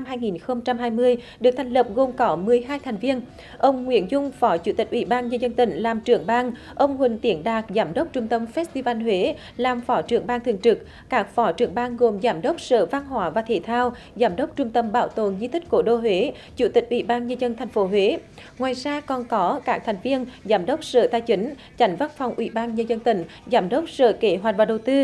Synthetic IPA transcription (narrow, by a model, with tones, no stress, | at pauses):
nna˧mɦaː˧jŋi˨˩nxə˧wŋ͡mt͡ɕa˧mɦaː˧jmɨ˧əjɗɨ˨˩ək̚t̪ʰɛ˨˩jŋ̟lə˨˩p̚ɣo˨˩mkɔ˨˦mɨ˨˩əjɦaː˧jt̪ʰɛ˨˩jŋ̟vi˧ən | ʔə˧wŋ͡mŋwḭ˧˥ənzʊ˧ŋ͡mfɔ˨˦t͡ɕṵ˧˩t̪ï˨˩k̟ʔḭ˧˩ɓaː˧nɲə˧nzə˧nt̪ï˧˩ŋ̟laː˨˩mt͡ɕɨ˧˩əŋɓaː˧ŋ | ʔə˧wŋ͡mhwï˨˩ŋ̟t̪i˨˩ənɗaː˨˩k̚zaː˨˩˦mɗə˦˥k͡p̚t͡ɕʊ˧ŋ͡mt̪ə˧mfɛ˦˥st̪i˧va˧nɦwe˨˦ | laː˨˩mfɔ˨˦t͡ɕɨ˧˩əŋɓaː˧ŋt̪ʰɨ˨əŋt͡ɕɨ˨˩k̚ | kaː˦˥k̚fɔ˨˦t͡ɕɨ˧˩əŋɓaː˧ŋɣo˨˩mzaː˨˦mɗə˦˥wk͡p̚sə̰ː˧˨va˧nɦwaː˧˦vaː˨˩t̪ʰḭ˧˩t̪ʰaː˧w | zaː˨˦mɗə˦˥wk͡p̚t͡ɕʊ˧ŋ͡mt̪ə˧mɓaː˧˩wt̪o̰˧˨nzi˧t̪ʰï˦˥k̟̚ko˧˩ɗo˧ɦwe˨˦ | t͡ɕu˧˩t̪ï˨˩k̟̚ʔwḭ˧˩ɓaː˧nɲə˧nzə˧nt̪ʰa˨˩jŋ̟fo˨˦ɦwe˨˦ŋwaː˨˩jzaː˧kɔ˨˩nkɔ˨˦kaː˦˥k̚t̪ʰɛ˨˩jŋ̟vi˧ənzaː˨˦mɗə˦˥wk͡p̚sə̰ː˧˨t̪aː˧jt͡ɕï˨˦ŋ̟ | t͡ɕa˨˦jŋ̟va˦˥nfa˨˩wŋ͡mʔwḭ˧˩˦ɓaː˧nɲə˧nzə˧nt̪ï˧˩ŋ̟ | zaː˨˦mɗə˦˥wk͡p̚sə̰ː˧˨˩ke˧˦ɦwa˨˩t̚vaː˨˩ɗə˨˩wt̪ɨ˧